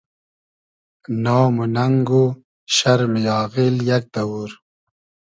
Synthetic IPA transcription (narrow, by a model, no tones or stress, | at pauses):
naːmunɐŋɡu | ɕɐɾmijɑːɣiljɐk̚d̪ɐwuɾ